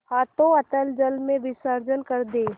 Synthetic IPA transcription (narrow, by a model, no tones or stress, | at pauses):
haːt̪õɐt̪əld͡ʒəlmẽʋɪsəɾd͡ʒənkəɾd̪eː